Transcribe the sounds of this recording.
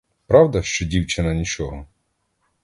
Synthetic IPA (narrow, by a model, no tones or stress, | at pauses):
pɾɑwd̪ɐʃt͡ʃɔdʲiwt͡ʃɪnɐnʲit͡ʃɔɦɔ